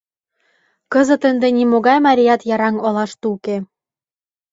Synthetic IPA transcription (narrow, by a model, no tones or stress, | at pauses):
kɤ̆zɤ̆t̪ə̆nd̪enimoɣɑjmɑɾʲijɑt̪jɑɾɑŋolɑʃt̪uke